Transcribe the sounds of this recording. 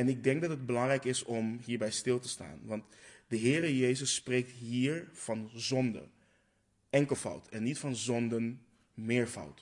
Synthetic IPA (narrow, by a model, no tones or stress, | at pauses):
ɛnɪɡ̚dɛŋɡ̚dɑtəd̚bəlɑŋrɛjkɪsɔmɦiːɹbɛjstɪlˠtəsta̰ːnʋɑntdəɦɪːɾəjejzəsːprejk̚tɦiːɹv̥ɑnzɔndə̰ | ɛŋkəlˠfʌ̰wtʰɛnːitfɑnzɔndən | mɪːɹfʌ̰wt